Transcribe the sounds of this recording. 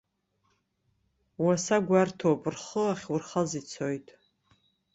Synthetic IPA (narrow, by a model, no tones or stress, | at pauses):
wasaɡʷartʰopʼɨrχəaχʲwurχazit͡sʰojtʼ